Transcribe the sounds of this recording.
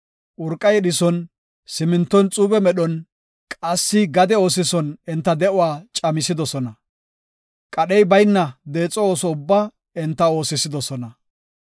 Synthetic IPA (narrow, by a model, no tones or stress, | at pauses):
ʔʊɾkʼːɐjɛɗɪsɔn | sɪmɪnt̪ːɔnt͡sʼuːbɛmɛɗɔn | kʼɐsːɪɡɐd̪ɛo̞ːs̬ɪsɔnɛnt̪ːɐd̪ɛʔʊwaːt͡ʃʼɐmɪsɪd̪ɔsɔnɐ | kʼɐɗɛjbɐjnːɐd̪e̞ːt͡sʼːɔoːsɔʊbːaː | ɛnt̪ːɐo̞ːsɪsɪd̪ɔsɔnɐ